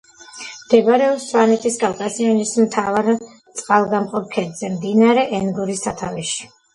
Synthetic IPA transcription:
md̪̥ɛbɾɛɔpsvanɛt̪ʰiskʼalkʼazianismt̪ʰavaɾ | t̪sʼqʼalˠɡamqʼɔp̚kʰɛd̪z̥ɛmd̪inaɾɛʔɛnɡuɾisat̪ʰaviʃi̥

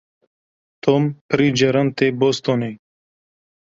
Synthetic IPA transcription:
t̪ʰompʰɾid͡ʒɐɾɐnt̪ebost̪one

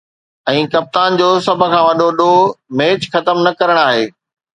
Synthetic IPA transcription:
ɛ̃ːkɐp̚t̪aːnd͡ʑoːsɐb̆ʱkʰãːʋɐɗoɗomeːt͡ɕxɐt̪əmnɐkɐɾəɽ̃aːɦeː

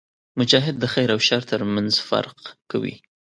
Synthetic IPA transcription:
mʊd͡ʒɑɦɪd̪ːəxajɾawʃaɾt̪əɾmanzfa̰ɾqka̰wḭ

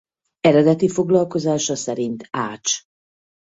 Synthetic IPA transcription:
ɛɾɛd̪ɛt̪ifo̞ɡlɒlko̞zaːʃɒsɛɾint̪aːt͡ʃ

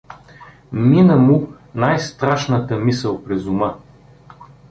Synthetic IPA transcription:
minəmu | najst̪ɾaʃnət̪əmisəlˠpɾɛzumə

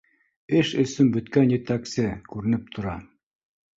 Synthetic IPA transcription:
ɘʃɵ̆sɵnbɵ̆t̪kænjɘ̆t̪æksɘkʉɾɘ̆nɘp̚t̪ʰŏɾɑ

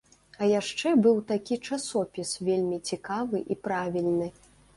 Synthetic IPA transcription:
ɐjaʂt͡ʂɛbɨwt̪akʲit͡ʂasɔpʲisvʲelʲmʲit͡sʲikavɨʔipɾavʲilʲnɨ

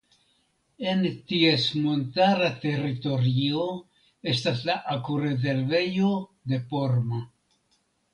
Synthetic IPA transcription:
e̞ntiesmo̞ntaɾate̞ɾito̞ɾio̞ | e̞staslaʔakuɾe̞ze̞ɾve̞jode̞po̞ɾma

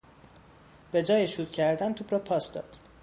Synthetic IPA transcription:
b̥e̞d͡ʒɒːjeʃuːd̪̥cʰæɾd̪ænt̪ʰuːbɾɒːpʰɒːsd̪ɒ̰ːd̪̥

